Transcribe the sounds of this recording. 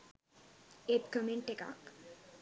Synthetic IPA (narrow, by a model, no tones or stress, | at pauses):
et̪kəmeɳʈeka̰k